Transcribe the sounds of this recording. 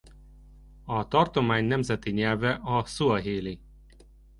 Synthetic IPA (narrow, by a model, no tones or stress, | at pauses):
ɒt̪ɒrt̪o̞maːɲnɛmzɛt̪iɲɛlvɛʔɒsuɒɦeːli